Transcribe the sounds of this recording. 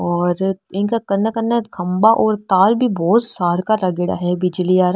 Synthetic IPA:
ɔːɾɪnkakɐnːəkɐnːəkʰɐmbaʔɔːɾt̪aːlbʱibɔːt̪saːɾkaɾɐɡɪɽa̰ɦɛbɪd͡ʒliaːɾa

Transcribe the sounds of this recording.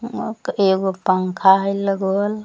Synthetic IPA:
eɡopəŋkʰaɦjləɡol

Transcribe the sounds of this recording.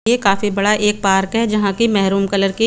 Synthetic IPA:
ekaːfibɐɽaʔeːk̚paːɾkɦɛd͡ʒɐɦãkimɛɦɾuːmkɐləɾki

